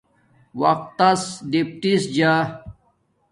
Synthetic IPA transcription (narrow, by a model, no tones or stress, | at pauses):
wɐq̚t̪ːɐsɖipʈisd͡ʑa